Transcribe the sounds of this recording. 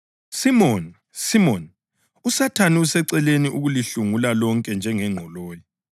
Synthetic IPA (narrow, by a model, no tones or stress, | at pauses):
simɔn | simɔn | usatʰaniusɛǀɛleniʔuɣuliɬuŋulalɔŋkʼɛnd͡ʒʱɛŋɛŋ͡ǃʱɔloːjɔ